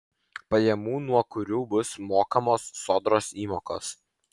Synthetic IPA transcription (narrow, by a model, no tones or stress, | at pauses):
pɐjɛmuːnuɔkʊɾʲuːbʊsmoːkɐmoːsːoːd̪ɾoːsiːmoːko̰ːs